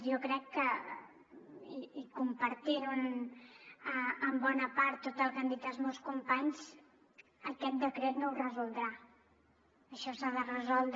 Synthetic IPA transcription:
jokɾɛkːə | iikumpəɾt̪iɾun | əəmbɔnəpaɾt̪ːot̪əlˠkand̪it̪əlˠzmowskumpaɲz | əkɛt̪̚d̪əkɾet̪nourəzulˠd̪ɾa | əʃɔsaðərəzɔlˠd̪

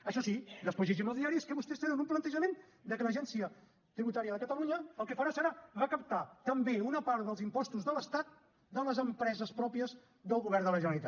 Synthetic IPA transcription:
əʃɔsid̪əspozeʒiməlˠðiaɾiskəβust̪ɛst̪enənumplənt̪əʒəmen | d̪əkələʒɛnsiə | t̪ɾiβut̪aɾiəðəkət̪əluɲəəlˠkəfəɾasəɾaβakəp̚t̪at̪əmbeunəpaɾðəlˠzimpɔst̪uzðələst̪at̪̚ | d̪ələzəmpɾɛzəspɾɔpiəz | d̪əlˠɣuβɛrd̪ələʒənəɾit̪a̰

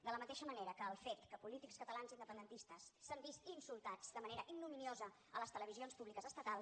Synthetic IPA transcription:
d̪ələmət̪eʃəməneɾəkəːlˠfet̪kəpulit̪ikskət̪əlanzind̪əpənd̪ənt̪ist̪əsːəmbist̪insulˠt̪ad͡zd̪əməneɾəʔiɡnːuminiozə | ələst̪ələβ̞izionspuβlikəzəst̪ət̪alˠ

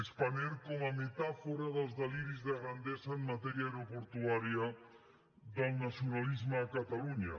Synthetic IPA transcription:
ekspaɲeɾkoŋamet̪afoɾaðazðaliɾizðaɣɾand̪esɐeŋmat̪ɛɾjaeɾopoɾt̪uaɾja | ðalnasjonalizmaːkat̪aluɲa̰

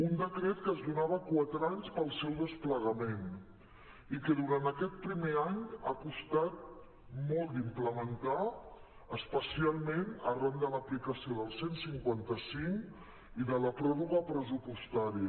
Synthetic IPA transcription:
und̪əkɾet̪kəːzðunaβ̞əkwat̪ɾaɲspəlˠsɛwðəspləɣəmen | ikəðuɾant̪əkɛt̪̚pɾimeaɲakust̪at̪̚ | mɔlˠt̪d̪impləmənt̪a | əspəsialˠmenərand̪ələplikəsioðəlˠsensiŋkwant̪əsiŋ | iðələpɾɔruɣəpɾəzupust̪aɾiə

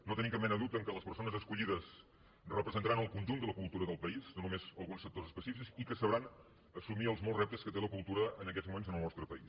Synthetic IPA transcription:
not̪əniŋkapmɛnəðut̪əŋkələspəɾsonəzəskuʎiðəs | rəpɾəzənt̪əɾanəlˠkunʲʒund̪ələkulˠt̪uɾəðəlˠpəiznonumezəlˠɣunsːək̚t̪ozəspəsifikzikəsəβɾan | əsumiəlˠzmɔlˠzrɛp̚t̪əskət̪eləkulˠt̪uɾəənəkɛzmumenzənəlˠnɔst̪ɾəpəis

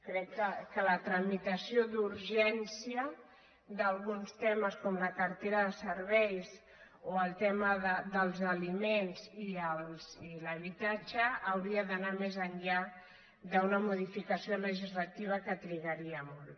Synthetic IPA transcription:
kɾɛkːəkələt̪ɾəmit̪əsiod̪uɾʒɛnsiə | d̪əlˠɣunst̪ɛməskɔmləkəɾt̪eɾəðəsəɾβɛjs | oəlˠt̪ɛməðəd̪əlˠzəlimenziəlˠziləβit̪at͡ʃəːwɾiəðənamezəɲʎa | d̪əunəmuðifikəsioləʒizlət̪iβ̞əkət̪ɾiɣəɾiəmɔl

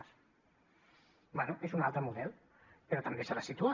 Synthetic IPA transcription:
s | bɛnuʔezunalˠt̪ɾəmuðɛlˠ | peɾot̪ambesalasit̪ua

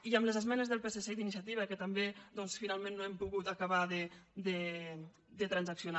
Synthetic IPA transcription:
iəmləzəzmɛnəzðəlˠpeseseiðinis̬jat̪iβəkət̪əmbed̪ɔnsfinalˠmẽnːoɛmpuɣut̪akaβaðəd̪ə | d̪ət̪ɾanzaksjona

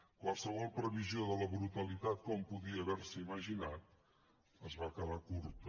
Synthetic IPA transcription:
kwalˠsəβ̞ɔlˠpɾəβizioðələβɾut̪əlit̪at̪̚kɔmpuðiəːβɛɾsəiməʒinat̪̚ | əzβakəðakuɾt̪ə

